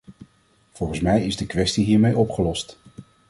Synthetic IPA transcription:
v̥ɔlˠχən̩smɛjɪzdəkʋɛstiɦiːɹmejɔpχəlɔst

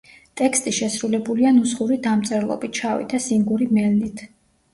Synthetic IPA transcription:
t̪ʼɛkʰst̪ʼiʃɛsɾulɛbulianusχuɾid̪amt̪sʼɛɾlˠɔ̰bit̚ʰt͡ʃʰavḭd̪ʰasiŋɡuɾimɛlnit̪ʰ

